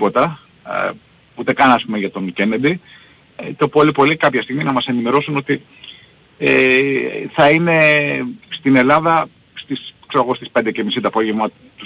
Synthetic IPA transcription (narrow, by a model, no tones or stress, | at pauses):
po̞t̪ɐ | ut̪e̞kɐnɐɐspumeʝɐt̪o̞ŋcened̪i | t̪o̞polipolikɐpçɐst̪iɣminɐmɐse̞nime̞ɾo̞suno̞t̪i | e | θɐine̞ | st̪ine̞lɐðɐ | st̪iskseɐɣo̞st̪ispe̞nd̪ecemisit̪oɐpo̞ʝe̞vmɐ | t̪u